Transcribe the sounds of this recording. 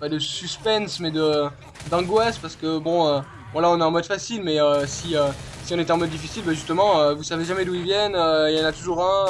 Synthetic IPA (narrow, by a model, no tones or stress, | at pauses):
pad̪əsyspɛnsmɛd̪ə | d̪ɑ̃ɡwaspaʁsə̥kəbɔ̃ø | bɔ̃laɔ̃naɛ̃ɑ̃mɔd̪fasilmɛøsiøsiɔ̃net̪ɑ̃mɔd̪ːifisilbaʒyst̪əmɑ̃øvusaveʒamɛd̪uilvjɛnøiljɑ̃nat̪uʒuʁɛ̃